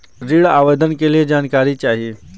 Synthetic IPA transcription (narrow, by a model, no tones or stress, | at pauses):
ɾiːɭa̰ːʋed̪ʱənkelied͡ʑaːnkaːɾit͡ɕaːɦie